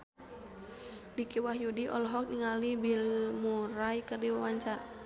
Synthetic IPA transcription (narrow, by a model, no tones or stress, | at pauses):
dikiwahjudiʔɔ̰lɦɔk̚niŋalibilmuɾajkərdiwawaɲt͡ʃar